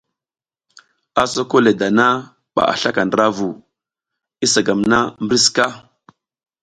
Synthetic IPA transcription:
a˨so˦ko˦le˨da˨na˦ | ɓa̰˨ʔa̰˨ɬa˦ka˨ndɾa˦vu˨ | i˦sa˨ɡa˨mna˦mbɾi˦ska˦

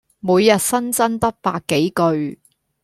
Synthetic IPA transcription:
muː˨˧jːɐ˨t̚sɐ˥nt͡sɐ˥nt̪ɐ˥k̚paː˧kːe˨˥jkɵ˧ɥ

